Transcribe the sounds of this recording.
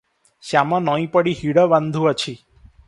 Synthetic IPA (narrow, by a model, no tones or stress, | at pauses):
ʃamãnɔĩpəɽiɦiɽəʋand̪ʱũət͡ʃʰi